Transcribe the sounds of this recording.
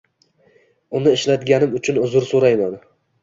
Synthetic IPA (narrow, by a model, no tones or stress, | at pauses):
ʊnɪɪʃlat̪ɡʲanɪmʊt͡ʃʰʊnʊzʊɾsoɾajman